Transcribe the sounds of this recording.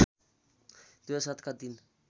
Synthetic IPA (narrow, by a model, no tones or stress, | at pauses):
d̪̥uasat̪kad̪in